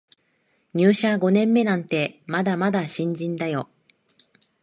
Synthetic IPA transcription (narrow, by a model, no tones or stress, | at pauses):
ɲ̟ɨːɕaɡo̞nẽ̞mːe̞nãnt̪e̞mad̪amad̪aɕĩɲ̟d͡ʑĩnd̪ajo̞